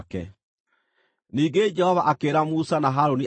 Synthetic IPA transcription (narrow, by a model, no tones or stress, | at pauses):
kɛ̰ | niːŋɡed͡ʒɛhɔvaʔakeːɾamusanaɦaɾoniʔ